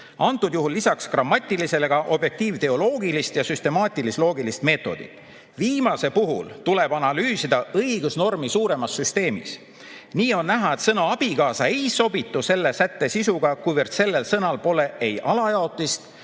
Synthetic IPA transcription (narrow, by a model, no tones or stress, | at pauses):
ɑnt̪ːˑud̪̥juɦulːisɑkskrɑmːɑt̪ʲˑːilise̞le̞ɡ̥ɑʔo̞bje̞k̚t̪iːvt̪e̞o̞lo̞ːɡilist̪jɑsyst̪e̞mɑːt̪ʲˑilislo̞ːɡilist̪me̞ːt̪ːˑo̞̰d̪ḭt̪ˑ | viːmɑse̞puɦṵlt̪ule̞b̥ɑnɑlyːsid̪̥ɑɤijɡ̥usno̞rmisuːɾe̞mɑsːyst̪e̞ːmḭs | niːo̞nːæɦɑe̞t̪sɤnɑɑb̥iɡɑːsɑejso̞bit̪ːˑuse̞lːe̞sæt̪ːe̞sisuɡ̥ɑkujvərt̪se̞lːe̞lsɤnɑlpo̞le̞e̞jʔɑlɑjɑo̞t̪ˑːist̪